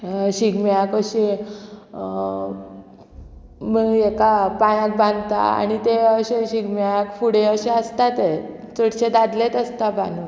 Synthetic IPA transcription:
ɕiɡmjakəɕe | miekapãjãk̚bãnd̪t̪a̰a̰ñit̪eəɕeɕiɡmjakfuɽeəɕeəst̪at̪e | t͡səɽt͡ɕed̪ad̪let̪əst̪abanu

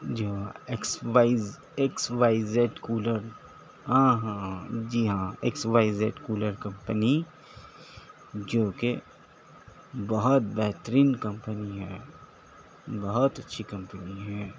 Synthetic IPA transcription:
d͡ʒoːeksʋaɪz | eksʋaːɪzeːʈkuːləɾ | ɦãːɦãd͡ʒiːɦãeksʋaːɪzeːʈkuːləɾkɐ̃mpəni | d͡ʒoːke | bɐɦʊt̪̚bɛɦt̪əɾiːnkɐ̃mpəniɦɛ̰ː | bɐɦʊt̪ɐtːʃʰikɐ̃mpəniɦɛ̃ː

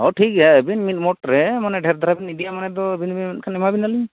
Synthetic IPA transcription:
ɔʈʰik̚aəbinmit̪̚mɔʈɾɛmanɛɖʱɛɾd̪ʱaɾabinidijamanɛd̪ɔbinbit̚kʰanɛmabinaliɲ

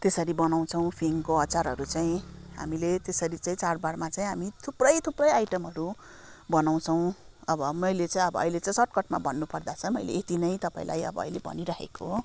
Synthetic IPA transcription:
t̪esʌɾibʌnaw̃t͡sʰʌ̃w̃pʰiŋkoʌt͡saɾɦʌɾut͡saĩɦa̰milet̪esʌɾit͡saĩt͡sarbaɽmat͡saĩɦamit̪ʰuprʌjt̪ʰuprʌjajʈʌmɦʌɾu | bʌnaw̃t͡sʰʌw̃ | ʌbʌmʌjlet͡saĩʌbʌʌ̰jlet͡saĩsʌʈ̚kʌʈma̰bʌnːupʌrd̪at͡sʰʌmʌjlḛet̪inʌjt̪ʌpãĩla̰jʌ̰bʌ̰ːjlebʱʌ̰niɾʌɦḛkoɦ

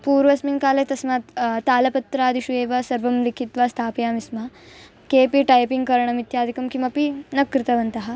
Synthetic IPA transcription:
puːɾʋɐsmiŋkaːlet̪ɐsmaːt̪t̪aːlɐpɐt̪ɾaːd̪iʃueːʋɐsɐɾʋɐmlikʰit̪ʋaːst̪ʰaːpjaːmismɐ | keːpiʈɐjpiŋɡkɐɾɐɳɐmit̪jaːd̪ʱikɐmkimɐpinɐkɾit̪ɐʋɐnt̪ɐɦɐ

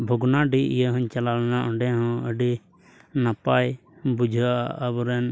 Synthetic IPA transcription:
bʱɔɡnaɖiḭjəɦɔ̃ɲt͡ʃalalɛnaʔɔɳɖɛɦɔ̃əɖi | napaj | bud͡ʒʱəaʔəbɔɾɛn

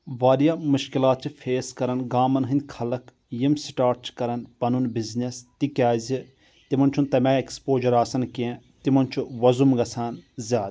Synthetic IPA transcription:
ʋaːɾijaːmuʃkilaːt̪̚t͡ʃʰifʰeːskɐɾɐnɡaːmɐnɦɨnd̪ʲkʰɐlɐk | jimsiʈaːɾʈ̚t͡ʃʰi̥kɐɾɐnpɐnunbiznest̪ikʲjaːzi | t̪imɐnt͡ʃʰunt̪ɐmʲaːekspoːd͡ʒɐɾaːsɐnkeẽ | t̪imɐnt͡ʃʰuʋɐzumɡɐsʰaːnzʲjaːd̪

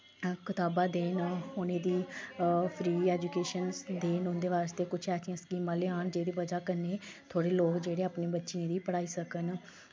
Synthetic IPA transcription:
kɪt̪aːbãːd̪eːnonẽːd̪iː | pʰɾiːɛːd͡ʒuːkeːʃənsd̪eːnʊnd̪eːʋaːɾst̪eːkʊt͡ʃʰɛːt͡ʃʰɪjãːskiːmãːleːaːnd͡ʒeːd̪iːbəd͡ʒaːkəneːt̪ʰoːɽeːloːkd͡ʒeːɽeːaːpneːbətːʃiːẽːd̪iːpəɽaːiːsəkən

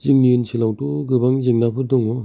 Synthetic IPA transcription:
ziŋniɯnsʰilawtuɡɯbaŋziŋnapʰɯɾdɔŋɔ

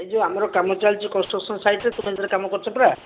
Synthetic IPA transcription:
ed͡ʒuamɔɾɔkamɔt͡ʃalt͡ʃʰikɔnsʈɾɔksʰɔnsajʈet̪umɛd͡ʒaɾekamɔkɔɾt͡ʃʰɔpɾa

